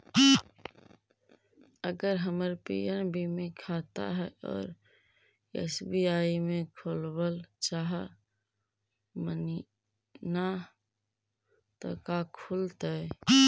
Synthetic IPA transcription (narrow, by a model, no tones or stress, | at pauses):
əɡəɾɦəməɾpḭənbʱimekʰat̪a̰ɦɛɔ̰ːɾ | ḛsbiaimẽkʰolbəlt͡ʃaɦə | məni | na | t̪ɔ̰kakʰult̪a